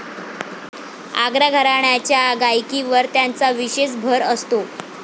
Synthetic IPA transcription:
a̰ɡɾaɡʱəɾaɳjat͡ɕjaɡajkiʋəɾt̪jant͡saʋiɕes̬bʱəɾəst̪o

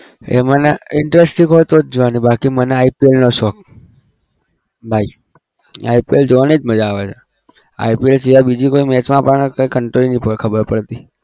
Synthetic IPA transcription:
ḛməneɪɳʈɾesʈĩɡɦɔjt̪od͡ʒoʋanibʱakiməneaipielnoʃɔk̚ | bʱai | a̰ipield͡ʒoʋanid͡ʒməd͡ʒaːʋet͡ʃʰe | a̰ipielt͡ʃeabid͡ʒikoimɛt͡ʃmãpəɳkəikəɳʈɾoɾinipəkʰəbəɾpəɽt̪i

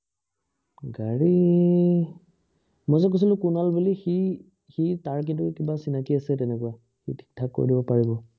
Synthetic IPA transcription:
ɡaɹi | mɔzɔk̬os̬ilʊ̃kunalbulixi | xitaɹk̬intukibasinakiasɛtɛnɛkʊwa | xḭtʰi̥k̚tʰakːo̰ɹidibɔpaɹibɔ

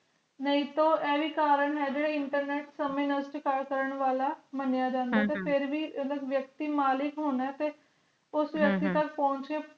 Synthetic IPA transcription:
nəĩːt̪õːɛːʋiːkaːɾəɳɦɛːd͡ʒeːɽeːɪɳʈəɾneːʈsəmẽːnəsʈkaɽkəɾəɳʋaːlaːmənjaːd͡ʒãːnd̪aːt̪eːpʰɪɾʋiːələkʋjək̚t̪iːmaːlɪkɦoːnɛːt̪eː | ʊsʋjək̚t̪iːt̪əkpɔ̃ːɲt͡ʃeː

